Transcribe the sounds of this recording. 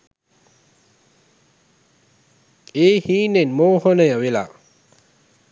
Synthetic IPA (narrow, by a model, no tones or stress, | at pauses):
ehinenmohənəjawila̰